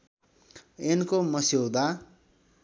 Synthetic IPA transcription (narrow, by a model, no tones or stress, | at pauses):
enkomʌsed̪a